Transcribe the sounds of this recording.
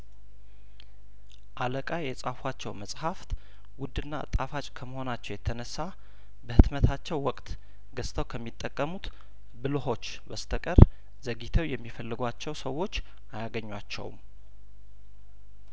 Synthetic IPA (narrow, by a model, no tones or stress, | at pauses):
ʔaləkʼajjɛsʼafwat͡ʃːɛ̰wməsʼhaft̪ | wʊd̪ɨnːaɨ̰t̪ʼafat͡ʃʼkʰəməho̞nat͡ʃːɛwjɛt̪ʰənəsːa | bəhɨt̪mət̪ʰat͡ʃːɛwːɔkʼt̪ | ɡəst̪ʰəwkʰəmːit̪ʼːəkʼːəmut̪ | bɨlho̞t͡ʃː | bəst̪ʰəkʼər | zəɡit̪ʰəwjɛmːifəlːɨɡʷat͡ʃːɛwsəwːo̞t͡ʃː | ʔajaɡəɲːwat͡ʃːɛ̰w̰m